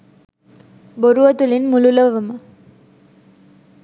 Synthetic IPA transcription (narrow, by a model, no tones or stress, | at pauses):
boɾuʋɐt̪ulinmululəʋəmə